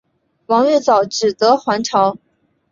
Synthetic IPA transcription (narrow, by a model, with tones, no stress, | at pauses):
wɑ˧˥ŋɥɛ˥˩t͡sɑ˨˩ʊʈ͡ʂɻ̩˨˩t̪ɤ˧˥xwa˧˥nʈ͡ʂʰɑ˧˥ʊ